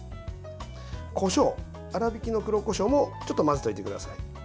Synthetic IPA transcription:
kʰo̞ɕo̞ː | aɾabʲikʲino̞kɯɾo̞ko̞ɕo̞ːmo̞t͡ɕo̞t̪ːomazɨ̥t̪o̞it̪e̞kɯ̟d̪asai

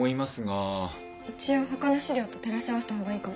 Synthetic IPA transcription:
oimasɨɡa | it͡ɕio̞ːɦo̞kano̞ɕiɾʲo̞ːt̪o̞t̪e̞ɾaɕaβosɨ̥t̪aɦoɡaiːko

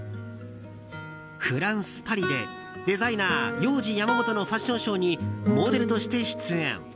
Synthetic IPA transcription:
ɸɯ̟ɾãɰ̃sɨ̥paɾʲid̪e̞̰ | d̪e̞zainaːjo̞ːʑijamamo̞t̪o̞no̞ɸaɕːõ̞ɰ̃ɕo̞ːɲ̟imo̞ːd̪e̞ɾɯ̟t̪o̞ɕi̥t̪e̞ɕi̥t͡sɨḛ̃ŋ

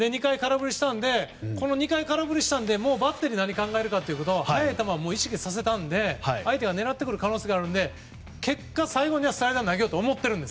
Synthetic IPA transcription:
d̪e̞ɲ̟ikaikaɾabɯ̟ɾʲiɕi̥t̪ãnd̪e̞ko̞no̞ɲ̟ikaikaɾabɯ̟ɾʲiɕi̥t̪ãnd̪e̞mo̞ːbat̪ːe̞ɾʲinaɲ̟ikãŋɡaeɾɯ̟kat̪ːe̞iɯ̟ko̞t̪o̞haet̪amamo̞ːiɕi̥kʲisas̬e̞t̪ãnd̪e̞haiait̪e̞ɡane̞ɾat̪ːekɯ̟ɾɯ̟kano̞ːse̞ɡaːɾɯ̟̃nd̪e̞ | ke̞kːasaiɡo̞ɲ̟iβasɨ̥t̪aɾed̪anaɡʲeoːt̪oːmo̞t̪ːe̞ɾɯ̟nd̪es

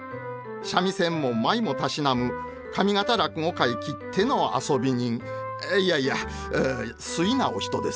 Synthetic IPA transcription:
ɕamʲisẽ̞mːo̞maimo̞t̪aɕinamɯ̟ | kʰamʲiɡat̪aɾakɯ̟ŋo̞kaikʲit̪ʰːe̞no̞a̰so̞bʲiɲ̟ĩŋ | iaia | sɨinaoɕʲçi̥t̪o̞d̪e̞s

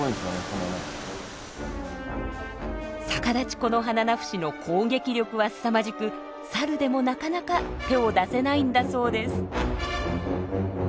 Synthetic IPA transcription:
oisonesonone | sakad̪at͡ɕi̥ko̞no̞ɦananaɸɯ̥ɕino̞kʰo̞ːɡe̞kʲiɾʲo̞kɯ̟βasɨ̥amaʑikɯ̟ | saɾɯ̟d̪e̞mo̞nakanakat̪e̞o̞d̪ase̞naĩnd̪aso̞ːd̪e̞sɨ̥

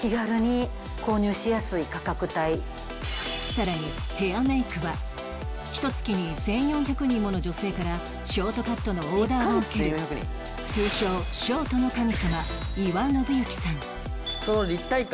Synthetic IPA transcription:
kʲiɡaɾɯ̟ɲ̟i | ko̞ːɲʲɨːɕijasɨikakakɯ̟t̪ai | saɾaɲ̟ihe̞ameikɯ̟βa | çi̥t̪o̞t͡sɨ̥kʲiɲ̟isẽ̞ɰ̃jõ̞çakɯ̟ɲ̟ĩmːo̞no̞d͡ʑo̞se̞ːkaɾa | ɕo̞ːt̪o̞kat̪ːo̞no̞ːd̪aːokeẽjõçjakɯ̟ɲḭ̃ | t͡sɨːɕo̞ːɕo̞ːt̪o̞no̞kamʲisama | iβaɯno̞bɯ̟jokʲi̥sãŋ | sonoɾʲit̪ːait̪

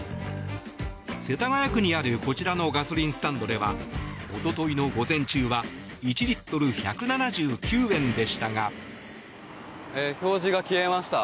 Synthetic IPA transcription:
se̞t̪aŋajakɯ̟ɲ̟iaɾɯ̟ko̞t͡ɕiɾano̞ɡaso̞ɾʲĩɰ̃sɨ̥t̪ãnd̪o̞d̪e̞βa̰o̞t̪o̞t̪o̞ino̞ɡo̞zẽ̞ɲ̟t͡ɕɨːβa | it͡ɕiɾit̪ːo̞ɾɯ̟çakɯ̟nanaʑɨːkʲɨːẽ̞nd̪e̞ɕi̥t̪aɡa | eço̞ːʑiɡakʲiemaɕi̥t̪a

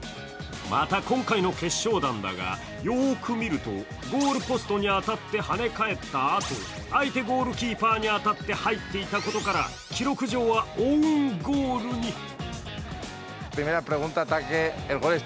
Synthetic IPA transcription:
ma̰t̪akõ̞ŋkaino̞ke̞ɕːo̞ːd̪ãnd̪a̰ɡa̰ | jo̞ːkʰɯ̟mʲiɾɯ̟t̪o̞̰ | ɡo̞ːɾɯ̟po̞sɨ̥t̪o̞ɲ̟iat̪at̪ːe̞hane̞kae̞t̪ːaːt̪o̞̰ | ait̪e̞ɡo̞ːɾɯ̟kʲiːpaːɲ̟iat̪at̪ːe̞hait̪ːe̞it̪ako̞t̪o̞kaɾa̰ | kʲiɾo̞kɯ̟ʑo̞ːβaoŋɡoːɾɯ̟ɲ̟i | pɾimeɾapɾeɣũnt̪at̪akeːlɣoɾe

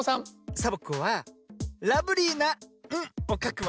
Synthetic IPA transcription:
sãŋsabokɯβa | ɾabɯ̟ɾʲinaɯ̃okakɯβ

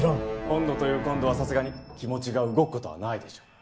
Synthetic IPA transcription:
ɾõkõ̞nd̪o̞t̪o̞jɯ̟ːkõ̞nd̪o̞βasasɨɡaɲ̟ikʲimo̞t͡ɕiɡaɯ̟ɡo̞kɯ̟ko̞t̪o̞βa̰naid̪e̞ɕo̥ː

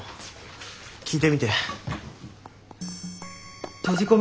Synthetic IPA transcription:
kʰid̪emid̪e | t̪ed͡ʑikom

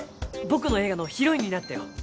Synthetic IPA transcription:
bo̞kɯ̟no̞e̞ːɡano̞çiɾo̞iɲ̟inat̪ːajo̰

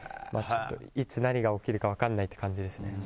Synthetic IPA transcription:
ma̰ːt͡ɕt̪ːo̞̰it͡sɨnaɲʲiɡao̞kʲiɾɯ̟kaβ̞akanːait̪ːe̞kãɲ̟d͡ʑid̪e̞sɨne

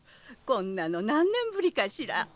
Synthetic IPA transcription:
kõnːanonãnːẽ̞mbɯ̟ɾʲikaɕiɾa̰

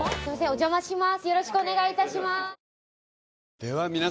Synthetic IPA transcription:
simasẽod͡ʑomaɕimasɨjo̞ɾo̞ɕi̥kɯone̞ɡait̪aɕima | d̪̥eβamʲina

